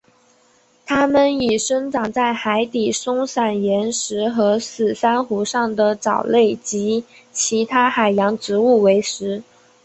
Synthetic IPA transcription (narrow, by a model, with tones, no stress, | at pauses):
t̪ʰa˥mə˨ni˨˩ʂə˥ŋʈ͡ʂɑ˨˩ŋt͡sa˥˩ɪxa˧˥ɪt̪i˨˩ʂʊ˥ŋsa˨˩njɛ˧˥nʂɻ̩˧˥xɤ˧˥sɹ̩˨˩sa˥nxu˧˥ʂɑ˥˩ŋd̪ə˩t͡sɑ˨˩ʊle˥˩ɪt͡ɕi˧˥ | t͡ɕʰi˧˥t̪ʰa˥xa˨˩ɪjɑ˧˥ŋʈ͡ʂɻ̩˧˥u˥˩we˧˥ɪʂɻ̩˧˥